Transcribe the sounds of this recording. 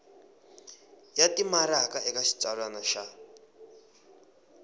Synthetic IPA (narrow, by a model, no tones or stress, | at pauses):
jatimaɾakaɛkaʃi̥t͡sʼaɺanaʃa